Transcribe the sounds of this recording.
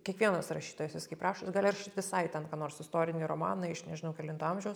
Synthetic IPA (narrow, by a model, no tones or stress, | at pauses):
kʲiɛkʋʲiɛnɐsrɐʃʲiːt̪oːjɛsʋʲɪskɐɪprɑːʃosʲɡɑːlʲɪrʃɪt̪ʋʲɪsɐɪt̪ʲɛnkɑːnoːɾsɪst̪oːɾʲɪnʲiːɾoːmɑ̰ːnɐɪʃnʲɛʒʲɪnɐʊkʲɛlʲɪnt̪oɑmʲʒʲɛʊs